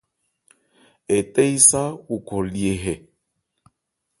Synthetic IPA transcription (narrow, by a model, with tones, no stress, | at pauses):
e˨te˦jsa˦wu˨kɔ˨li˨e˨ɦɛ˨